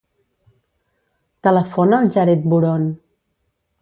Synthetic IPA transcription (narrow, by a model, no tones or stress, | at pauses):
t̪ələfonəlˠʒaɾɛt̪̚buɾon